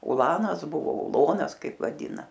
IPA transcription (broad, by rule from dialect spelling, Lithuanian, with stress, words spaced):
ʊˈlˠɑːnɐs ˈbʊʋoː ʊˈlˠoːnɐs ˈkɐɪp ʋɐˈdʲiːnɐ